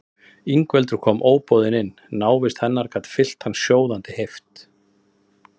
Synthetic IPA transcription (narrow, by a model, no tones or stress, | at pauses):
iŋkvɛlt̪ʏɾ̥kʰɔːmʔoːwpɔðɪnɪnːaːwvɪst̪hɛnːaɾ̥kat̪fɪl̥t̪hansjoːwðant̪ɪhejft̪